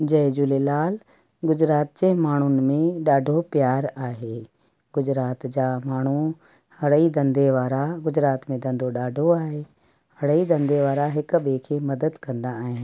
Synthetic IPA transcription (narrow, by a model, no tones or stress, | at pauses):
d͡ʑɐd͡ʑuleːlaːl | ɡʊd͡ʑɾaːt̪̚d͡ʑeːmaːɳ̤ʊnɪ̆mẽɗaːɖʱopjaːɾaːɦeː | ɡʊd͡ʑɾaːt̪d͡ʑaːmaːɳ̤u | hɐɽəid̪ɐ̃nd̪ʱeʋaːɾaɡʊd͡ʑɾaːt̪mẽd̪ɐ̃nd̪ʱoɗaːɖʱoaːɦeː | hɐɽəid̪ɐ̃nd̪ʱeʋaːɾaɦɪk̆ɓeːkʰemɐd̪əd̪kɐ̃nd̪aːɦɪn